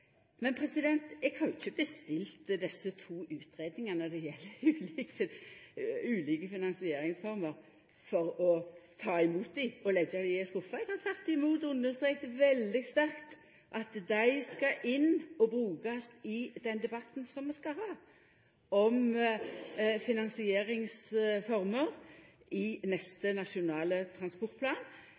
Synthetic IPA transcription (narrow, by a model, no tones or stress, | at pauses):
mɛnpʰɾɛsɪd̪ɛnt̪ɛɡhɑnjʊçːəbəst̪ɪlt̪d̪ɛsːət̪ʰuːʉːt̪ɾeːd̪nɪŋɑnəd̪ɛjɛlːəɾʉːlik | ʉːliːkəfɪnɑnsɪeːɾɪŋsfɔɾməɾ | fɔɾɔt̪ʰɑːɪmuːt̪̚d̪ɪɔlɛɡːɑlɪɪsk̪ʊfːɑɛɡ̥hɑɾt̪ʰɑt̪ːɪmuːt̪ʉnd̪ːəst̪ɾeːkt̪ʋɛld̪ɪɡst̪æɾkt̪ | ʔɑt̪d̪æɪskɑʔɪnːɔbɾʉːkɑsɪd̪ɛnd̪ɛbɑt̪ːn̩sɔmːɛskɑhɑː | ɔm | fɪnɑnsɪeːɾɪŋsfɔʁməʁʔɪnɛst̪ənɑʂɪʊnɑːlət̪ʰɾɑnspɔɾt̪̚pʰlɑːn